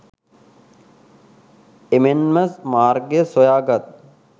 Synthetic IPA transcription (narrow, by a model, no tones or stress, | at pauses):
emenmɐsmaːɾɡesojaːɡɐt̪̚